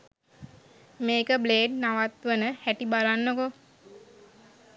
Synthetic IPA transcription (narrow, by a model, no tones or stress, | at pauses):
meːkəbleːɖnaʋat̪ʋənəhæʈibalanːoko